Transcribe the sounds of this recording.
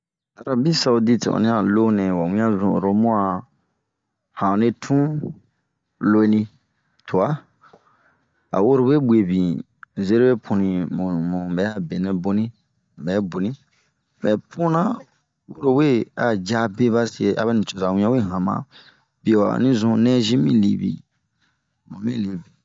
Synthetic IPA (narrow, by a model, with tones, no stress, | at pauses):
a˨ɾa˨bi˦sa˨u˧di˦tḭ˨ɔ̰˨nĩ˦a˨lo˦nɛ̃˨wa˨wĩ˦ã˦zũ˨o˨ɾo˦mũ˦a˨ | hã˨ne˦tʰũ˦ | lo˦e˦nĩ˦ | tʰu˨a˦ | a̰˨wo˦ɾo˨we˦be˨bĩ˨ | ze˦ɾe˦we˦pʰũ˨nĩ˨mũ˨mũ˨bɛ˨˦a˦be˨nɛ̃˨bo˦nĩ˦˨ | bɛ˨˦bo˨nĩ˦ | bɛ˨pʰũ˦nã˦ | wo˦ɾo˨we˦a˨d͡ʒa˦be˦ba˦si˦e˧˨a̰˦ba˦nĩ˨t͡ʃo˨za˨wĩ˦ã˦we˦˨ɦã˨mã̰˨ | bi˨wa̰˨nĩ˦zũ˧nɛ̃˦zĩ˦mĩ˦lḭ˨bḭ˨ | mũ˨mĩ˦li˨bi˨